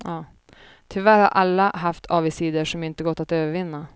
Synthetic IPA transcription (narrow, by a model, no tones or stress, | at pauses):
ɑː | t̪ʰʏvæɾha̰ɾʔalːaɦaft̪ʰɑːvɪsiːd̪əʂɔmɪnt̪əɡɔt̪ːat̪øːvəɾvɪnːa